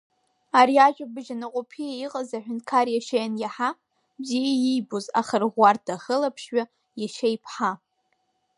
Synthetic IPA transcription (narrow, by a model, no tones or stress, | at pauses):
aɾiaʒᶣabɨʒanɨqʼopʰiaiqʼazaħʷᶣʊntkʰarjaʃajanjaħa | bzijaijboza̰χarʁʷartʰaχəlapʰʃɥa | jaʃajpʰħa